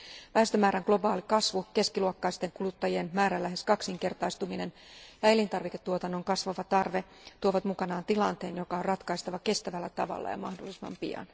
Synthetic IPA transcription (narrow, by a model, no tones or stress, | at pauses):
ʋæhest̪ømæːɾæŋɡ̥lo̞bɑːlikɑsʋuke̞skiluokːɑist̪e̞ŋkulut̪ːɑjie̞nmæːɾælːæɦeskɑksiŋke̞rt̪ɑjst̪umine̞n | jɑe̞lint̪ɑrʋike̞t̪ːuot̪ɑnːoŋkɑsʋɑʋɑt̪ɑrʋe̞ | t̪uoʋɑt̪mukɑnɑːnt̪ilɑnt̪e̞ːnjo̞kɑorrɑt̪kɑist̪ɑʋɑke̞st̪æʋælːæt̪ɑʋɑ̰lːɑ̰jɑ̰mɑhdolːˑisimɑ̰mpḭɑ̰n